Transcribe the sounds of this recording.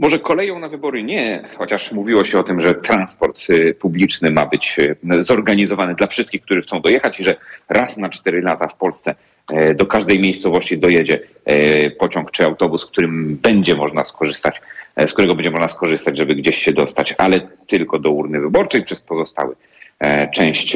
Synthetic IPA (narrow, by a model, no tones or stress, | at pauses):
mɔʐɛkɔlɛjɔ̃w̃navɘbɔɾɨɲɛxɔt͡ɕaʂmuvʲiwɔɕɛɔt̪ɘmʐɛt̪ɾanspɔɾt̪publʲit͡ʂnɘmabɘt͡ɕzɔɾɡaɲizɔvanɘd̪lafʂɘst̪kʲixk̚t̪uʐɘxtsɔ̃w̃d̪ɔjɛxat͡ɕiʐɛɾasnat͡ʂt̪ɛɾɘlat̪afpɔlst̪sɛ | d̪ɔkaʐd̪ɛjmʲjejst̪sɔvɔɕt͡ɕid̪ɔjɛd͡ʑɛ | pɔt͡ɕɔŋkt͡ʂɘawt̪ɔbuskt̪uɾɘmbɛɲd͡ʑɛmɔʐnaskɔʐɘst̪at͡ɕskt̪uɾɛɡɔbɛɲd͡ʑɛmɔʐnaskɔʐɘst̪ad͡ʑʐɛbɘɡd͡ʑeɕːɛd̪ɔst̪at͡ɕalɛt̪ɘlkɔd̪ɔuɾnɘvɘbɔɾt͡ʂɛjpʂɛspɔzɔst̪a̰wɘ̰ | t͡ʂɛ̃w̃ɕt͡ɕ